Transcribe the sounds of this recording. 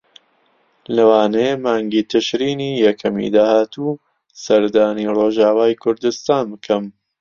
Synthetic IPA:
lɐwaːnejmaːŋɡiːt̪ʰɨʃɾiːniːjɐkʰɐmḭd̪aːhaːt̪u | sɐɾd̪aːniroːʒaːwaːjkʰʊɾd̪ɨst̪aːnbkʰɐm

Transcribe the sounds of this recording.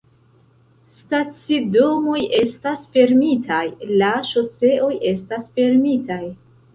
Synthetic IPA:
stat͡sido̞mo̞jʔe̞stasfe̞ɾmitʰajlaʃo̞se̞ʔo̞jʔe̞stasfe̞ɾmitʰaj

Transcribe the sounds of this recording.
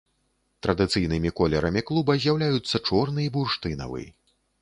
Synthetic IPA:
t̪ɾɐd̪ɨt̪sɨjnɨmʲikɔlʲɛɾɐmʲiklˠubɐzʲjawlʲajut̪sːɐt͡ʂɔrnɨjiburʂt̪ɨnɐ̰vɨ̰jḭ

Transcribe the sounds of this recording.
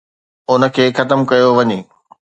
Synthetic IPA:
ʊnə̆kʰeːxɐt̪əmkɐjoʋɐɲeː

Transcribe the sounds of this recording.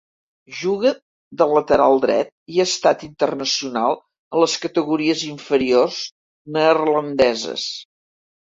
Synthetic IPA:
ʒuɣə | d̪ələt̪əɾalˠd̪ɾɛ̰t̪̚iəst̪at̪int̪ərnəsiunalˠ | ələskət̪əɣuɾiəziɱfəɾiorz | nərlənd̪ɛzə̰s

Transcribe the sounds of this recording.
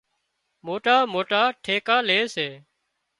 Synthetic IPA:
moːʈaːmoːʈaːʈʰeːkaːleːseː

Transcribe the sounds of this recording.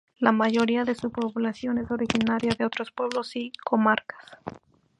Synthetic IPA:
lamaʝo̞ɾiaðe̞supo̞βlasjo̞ne̞so̞ɾixinaɾjaðe̞o̞t̪ɾo̞spwe̞β̞lo̞siko̞maɾkḁs

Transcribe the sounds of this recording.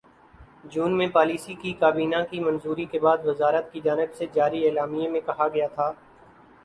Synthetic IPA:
d͡ʒuːnmẽpaːliːsikikaːbiːnãkimɐ̃nzuːɾikebaːd̪ʋɪzaːɾət̪kid͡ʒaːnɪbsed͡ʒaːɾieːlaːmijemẽkɐɦaɡɐjaːt̪ʰaː

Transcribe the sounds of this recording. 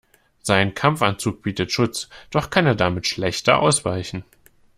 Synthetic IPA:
z̥aɪnkʰamfant͡suːk̚b̥iːtətʃʊt͡sd̥ɔχkʰaneːɐdamɪtʃlɛçtɐ̰ʔa̰ʊsv̥aɪçn̩

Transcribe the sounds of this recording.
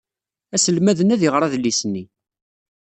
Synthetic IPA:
æsəlmæðənæðjəʁɾˤɑðlːisənːi

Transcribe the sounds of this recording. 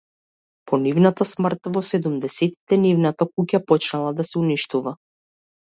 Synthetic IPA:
pʰɔnivnat̪asmr̩t̪vɔsɛd̪umd̪ɛsɛt̪i̥t̪ɛnivnat̪akucapɔt͡ʃnalˠad̪asɛuniʃt̪uva

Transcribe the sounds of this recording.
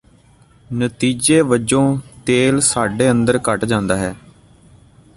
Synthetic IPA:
nət̪iːd͡ʒeːʋəd͡ʒõːt̪eːlsaːɖeːənd̪əɾkəʈd͡ʒãːnd̪aːɦɛː

